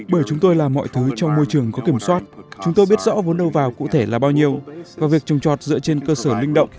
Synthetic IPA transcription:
ɓəː˧˩jt͡ɕʊ˨˦ŋ͡mt̪o˧jlaː˨˩mːɔ̰˧˨jt̪ʰɨ˨˦t͡ɕɔ˧wŋ͡mmo˧jt͡ɕɨ˨˩əŋkɔ˨˦ki˧˩əmswaː˦˥t̚t͡ɕʊ˨˦ŋ͡mt̪o˧jɓi˦˥ət̚zɔ̰˧˥vo˨˦nɗə˧wvaː˨˩wkṵ˧˨t̪ʰe˧˩laː˨˩ɓaː˧wɲi˧əwvaː˨˩vi˨˩ək̚t͡ɕɨ˨˩ŋ͡mt͡ɕɔ˨˩t̚zɨ̰˧˥ət͡ɕe˧nkəː˧səː˧˩lï˧ŋ̟ɗə̰˧˨wŋ͡m

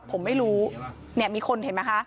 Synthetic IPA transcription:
pʰo˨˩˦mːa˥˩jɾuː˦˥ | ni˥˩miː˧kʰo˧nɦe˩˦ma˦˥kʰa˦˥

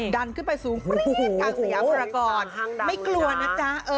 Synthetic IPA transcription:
da˧nkʰɯ˥˩n˩pa˧jsuː˩˦ŋ˧˩kaː˧˩a˧˨jaː˨˩˦bɾa˧kɔː˧˩n˧ma˥˩jklu˧ɐna˦˥t͡ɕa˦˥ʔɤː˧

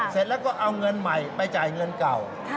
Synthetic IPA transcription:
se˨˩t̪̚lɛː˦˥wkɔː˥˩ʔa˧wŋɤ˧nma˨˩jpa˧jt͡ɕaː˨˩jŋɤ˧nka˨˩w

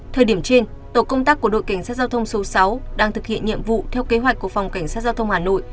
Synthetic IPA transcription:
t̪ʰəː˨˩jɗi˧˩əmt͡ɕe˧n | t̪o˧˩kə˧wŋ͡mt̪aː˦˥kːu˧˩əɗo̰˧˨jka˧˩ŋ̟saː˦˥t̚zaː˧wt̪ʰə˧wŋ͡mso˨˦sa˨˦wɗaː˧ŋt̪ʰɨ˨˩k̚hḭ˧˨ənɲḭ˧˨əmvṵ˧˨t̪ʰɛ˧wke˨˦ɦwa˨˩jk̟ku˧˩əfa˨˩wŋ͡mka˧˩ŋ̟saː˦˥t̚zaː˧t̪ʰə˧wŋ͡mhaː˨˩no̰˧˨jʔ

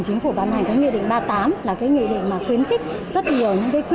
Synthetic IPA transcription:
ŋt͡ɕï˨˦ŋ̟fu˧˩ɓaː˨˧˩nha˨˩jŋ̟kaː˨˦ŋḭ˧˨ɗḭ˧˨ŋ̟ɓaː˧˩t̪aː˨˦mlaː˨˩kaː˨˦jŋḭ˧˨ɗḭ̈˧˨ŋ̟maː˨˩xwi˨˦ənxï˦˥k̟̚zə˦˥t̚ɲi˨˩ə˨˩wɲɨ̰˧˥ŋkaː˨˦jkw

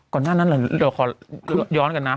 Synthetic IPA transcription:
kɔː˨˩naː˧˥˩na˦˥˨laː˧˩la˧˩kʰɔː˧˩˦jɔː˦˥nka˧nːa˦˥

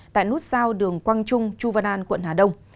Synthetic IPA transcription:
t̪a̰ː˧˨jnu˦˥t̚zaː˧wɗɨ˨˩əŋkwaː˧ŋt͡ɕʊ˧ŋ͡mt͡ɕu˧vaː˧naː˧nkwə̰˧˨nɦaː˨˩ɗə˧wŋ͡m

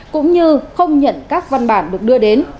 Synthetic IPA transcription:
kʊ̰˧˥ŋ͡mɲɨ˧xə˧wŋ͡mɲə̰˧˨nkaː˦˥k̚va˧nɓaː˧˩nɗɨ˨˩ək̚ɗɨ˧əɗe˨˦n

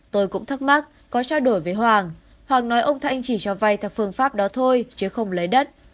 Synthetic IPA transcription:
t̪o˧jkʊ̰˧˥ŋ͡mt̪ʰɨ˦˥k̚ma˦˥t̚ | kɔ˨˦t͡ɕaː˧wɗo˧˩jvəː˨˦jɦwaː˨˩ŋ | hwaː˨˩ŋnɔ˨˦jʔə˧wŋ͡mt̪ʰa˧jŋ̟t͡ɕi˧˩t͡ɕɔ˧˩va˧˩jt̪ʰaː˨˩fɨ˧˩ənfaː˦˥p̚ɗɔ˨˦t̪ʰo˧jt͡ɕɨ˨˦əxə˧wŋ͡mlə˨˦jɗə˦˥t̚

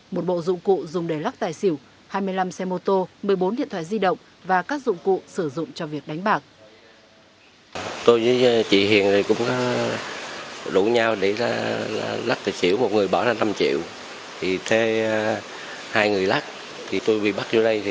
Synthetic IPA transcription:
mo˨˩t̚ɓo̰˧˨zʊ̰˧˨ŋ͡mkṵ˧˨zʊ˨˩ŋ͡mɗe˧˩la˦˥k̚t̪aː˨˩jsi˧˩əw | haː˧jmɨ˧əjla˧msɛ˧mo˧t̪o˧mɨ˨˩əjɓo˨˦nɗḭ˧˨ənt̪ʰwaː˧˨zi˧ɗə̰˧˨wŋ͡m | vaː˨˩kaː˦˥k̚zʊ̰˧˨ŋ͡mkṵ˧˨sɨ˧˩zʊ̰˧˨ŋ͡mt͡ɕɔ˧vi˨˩ək̚ɗa˨˦jŋ̟ɓaː˨˩k̚ | t̪o˧jzə˧˦t͡ɕḭ˧˨hḭ˨˩˨ənzi˨˩jkʊ̰˧˥ŋ͡mkɔ˨˦ | ɗu˧˩ɲaː˧wɗe˧˩laː˧˩˨la˦˥k̚t̪ɨ˨˩t͡ɕi˧˩əwmo˨˩t̚ŋɨ˨˩əjɓɔ˧˩zaː˧na˧mt͡ɕḭ˧˨əw | t̪ʰi˨˩t̪ʰe˨˦ | haː˧jŋɨ˨˩əjla˦˥k̚ | t̪ʰi˨˩t̪o˧jɓḭ˧˨ɓa˦˥k̚zṵ˧˦ɗə˧j

